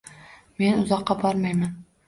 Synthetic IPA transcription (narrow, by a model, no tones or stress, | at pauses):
me̞nʊzɒqːɑbɒɾmajman